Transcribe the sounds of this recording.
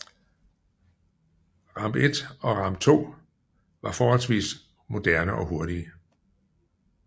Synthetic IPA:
ʁɑ̈mb̥e̝d̥ɒ̽ʁɑ̈mb̥̚t͡sʰo̝̰ː | ʋɑ̈fɒːhɒ̽lsʋḭːs | mo̝d̥æɐnəʔɒ̽ɦo̝ɐɾiə

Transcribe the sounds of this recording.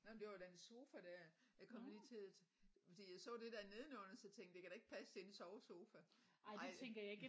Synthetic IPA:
nɔmnd̥e̝ʋɑd̥enso̝ːfæɾ̥æɐ̰jɑkʰɒ̽mliːt͡sʰe̝lfɒ̽d̥ḭːjɑ̈ɪsɔ̰̽ːd̥e̝d̥æɐne̝ð̞ˠnɔnsɒt͡sʰeŋ̰ɡ̥e̝kʰæɾ̥ɑ̈eɡ̥̚pʰæsəd̥ensɒʊso̝ːfæɑɪɑ̥̈eɪ̰t͡sʰeŋɡ̥ɐjɑ̈e̝ɡ̥

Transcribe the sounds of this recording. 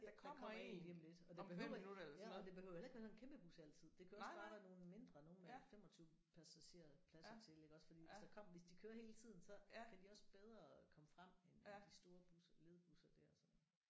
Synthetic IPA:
kʰmkʰɒ̰ḛniemle̝d̥ɒ̽d̥e̥høʊ̰ljæɒd̥e̝b̥e̝høʊjælɐeɡʋæɐsenkemb̥əb̥usæl̰t͡sʰið̞̰ˠd̥e̝kʰæuɒsb̥ɑʋæːɐno̝ːl̩me̝nd̥ʁɐno̝ːnmefem̰ɒ̽t͡sʰyːʊ | pʰæɐsæɕe̝ɐ̰pʰlæsɐt͡sʰe̝le̝ɡ̥ɒ̽sfɒdḭːsɒkʰɒ̽m̰ɐʋe̝sd̥ikʰøːɐhe̝ːlət͡sʰið̞̰ˠn̩sɒ̽kʰæd̥iɒ̽sb̥eð̞ˠʁɐkʰɒ̽məfʁam̰end̥isd̥o̝ːɐb̥usɐle̝ð̞ˠb̥usɐd̥æɐɒsɒ̽n

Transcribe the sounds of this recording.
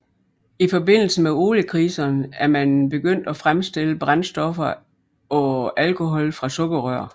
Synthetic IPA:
ifɒ̽be̝n̰l̩səmeo̝ːləkʰʁiːsɐnəæɐmænb̥e̝ɡ̥øn̰d̥æfʁamsd̥e̝l̰əb̥ʁansd̥ɒ̽fɐ | ɒ̽ælkʰo̝ɦɒ̽lfʁɑ̈sɔ̽ɡ̥ɐʁœɐ̰

